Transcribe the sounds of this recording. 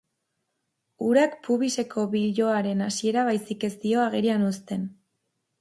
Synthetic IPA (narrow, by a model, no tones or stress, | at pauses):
uɾakpuβise̞kʰo̞βiʎo̞aɾe̞nasie̞ɾaβ̞ajsike̞st̪io̞aɣ̞e̞ɾianost̪e̞n